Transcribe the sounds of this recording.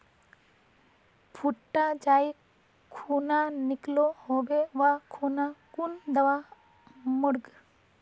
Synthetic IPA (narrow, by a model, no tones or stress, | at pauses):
pʰuʈːad͡ʒaj | kʰunanɪklohobewakʰunakund̪ɐwa | mɔɽɡ